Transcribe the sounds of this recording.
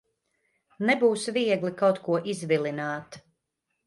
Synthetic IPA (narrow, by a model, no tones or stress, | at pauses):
nɛbuːsviɛɡlikawt̪kuɔʔizvilˠinaːt̪